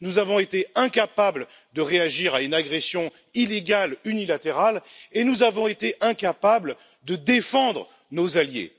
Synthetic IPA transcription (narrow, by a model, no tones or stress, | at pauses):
nuzavɔ̃et̪eɛ̃kapabl | d̪əʁeaʒiʁaynaɡʁɛsjɔ̃ | ileɡʲalynilat̪eʁalenuzavɔ̃et̪eʔɛ̃kapabl | d̪əd̪efɑ̃d̪ʁə | nozaljḛ